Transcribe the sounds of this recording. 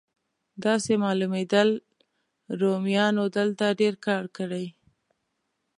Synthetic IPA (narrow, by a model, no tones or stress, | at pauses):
d̪ɑsemɑlumed̪əl | ɾomjɑnod̪əlt̪aɖeɾkɑɾkəɽaj